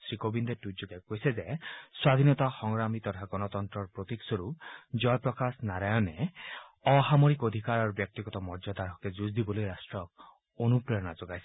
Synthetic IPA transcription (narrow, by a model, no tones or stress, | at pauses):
sɾikobind̪eʈud͡ʒuɡ̪ekojsezeswad̪ʱinɔt̪axɔŋɾamit̪ɔt̪ʰaɡɔnɔt̪ɔnt̪ɾɔɾpɾot̪iksɔɾud͡ʒɔjɔpɾɔkasnaɾajɔne | ɔɦamoɾikod̪ʱikaɾaɾɔbjɔk̚t̪iɡɔt̪ɔmɔɾd͡ʒɔd̪aɾɔked͡ʒuzd̪ibɔlojɾasʈɾɔ | onupɾeɔnad͡ʒoɡajse